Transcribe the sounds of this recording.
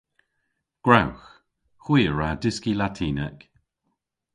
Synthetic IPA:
ɡ̥ɹawx | xwiːəɹadɪskilatʰiːnɛk

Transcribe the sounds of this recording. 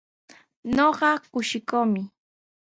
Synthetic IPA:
noɢɑkʊʃɪkomɪ

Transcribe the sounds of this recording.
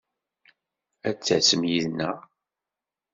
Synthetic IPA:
æt͡sːæsəmjiðnæ

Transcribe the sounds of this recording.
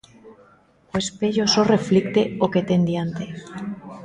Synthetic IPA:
oespeʎosoreflik̚t̪eoket̪end̪jant̪e

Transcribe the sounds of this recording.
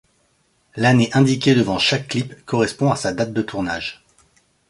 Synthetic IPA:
laneʔɛ̃d̪ikʲed̪əvɑ̃ʃakːlipkɔʁɛspɔ̃asad̪at̪̚d̪ət̪ʰuʁna̰ʒ

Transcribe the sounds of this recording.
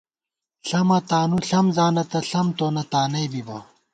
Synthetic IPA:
ɬɐmɐt̪aːnuɬɐmzaːnɐt̪ɐɬɐmt̪oːnɐt̪aːnɐjbibɐ

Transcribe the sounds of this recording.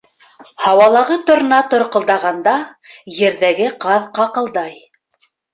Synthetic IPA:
hɑwɑlˠɑʁɤt̪ŏɾ̆nɑt̪ŏɾqɤ̆lˠd̪ɑʁɑnd̪ɑjɘ̆ɾðæɡɘqɑðqɑqɤ̆lˠd̪ɑj

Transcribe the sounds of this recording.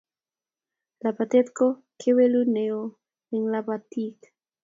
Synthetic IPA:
lapat̪et̪ko | kʰeweluneo | eŋlapat̪ik

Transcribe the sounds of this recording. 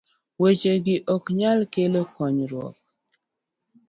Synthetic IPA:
wet͡ʃeɡɪʔɔkɲalkelokɔɲɾwɔ̰k̚

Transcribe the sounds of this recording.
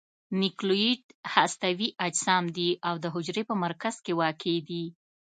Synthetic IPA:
nikloiɖhast̪awiʔad͡ʒsɑmd̪iʔawd̪əɦʊd͡ʒɾepəmaɾkaz̥kewɑkʰed̪i

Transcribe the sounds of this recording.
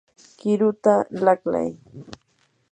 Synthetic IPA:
kɪɾʊt̪alakla̰j

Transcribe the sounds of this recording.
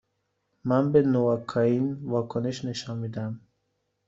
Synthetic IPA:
manbenuvakʰɔinvakʰuniʃneʃɔnmid̪am

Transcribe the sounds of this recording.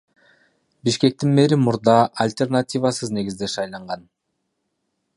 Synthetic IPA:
biʃke̞k̚t̪inme̞ɾimuɾd̪ɑʔɐlʲt̪ʲernat̪ʲivasɯzne̞ɡʲizd̪e̞ʃɑjlˠɑɴʁɑn

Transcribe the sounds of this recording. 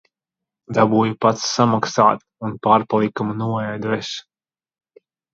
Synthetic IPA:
d̪abuːjupat̪sːamaksaːt̪ | unpaːɾpalˠikamnuɔɛjd̪vɛs

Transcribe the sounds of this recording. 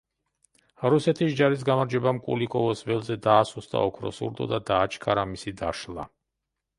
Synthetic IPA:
ɾusɛt̪ʰisd͡ʒaɾis̬ɡamaɾd͡ʒɛbamkʼṵlikʼɔvɔsvɛlˠzɛd̪aːsusd̪a̰ɔkʰɾɔ̰sṵɾd̪ɔ̰d̪ad̪aːt͡ʃʰkʼaɾamisid̪aʃla̰

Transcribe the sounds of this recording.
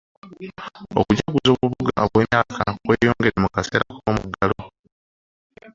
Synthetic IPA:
okuɟakuzoβuβuɡaβweːnaːkʰakwe̞ːjoːŋɡe̞ɾemukase̞ɾakomuɡalo

